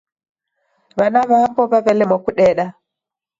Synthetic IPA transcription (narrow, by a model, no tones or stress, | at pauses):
βanaβapɔβaβɛlɛmwakuɗɛɗa